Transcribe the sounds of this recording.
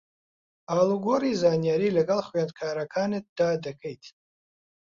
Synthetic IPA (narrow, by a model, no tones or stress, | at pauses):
aluɡoɾizaːnijaɾilakʼalχɥant̚kʰaːɾakʰanet̚d̥aːdakʰejtʼ